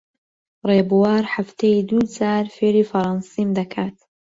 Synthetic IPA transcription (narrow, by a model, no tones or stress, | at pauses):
reːbuwaːɾħaft̪ʰejd̪uːd͡zaːɾfeːɾiːfɐɾˤɑnsiːmd̪ɐkʰaːt̪